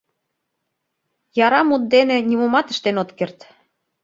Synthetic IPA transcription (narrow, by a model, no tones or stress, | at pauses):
jɑɾɑmut̪̚d̪enĕnʲimumɑt̪ə̥̆ʃt̪enot̪kert̪